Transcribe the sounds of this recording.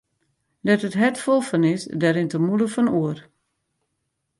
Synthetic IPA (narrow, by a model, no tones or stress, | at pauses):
dɛtətɦɛtfolˠfɔnɪsdɛɾɪntəmuləfɔnuər